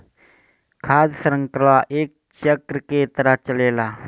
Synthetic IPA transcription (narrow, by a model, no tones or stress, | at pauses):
kʰaːd̪səɾə̃ŋkəlaʔeːk̚t͡ʃəkɾket̪əɾəɦt͡ʃəleːlaː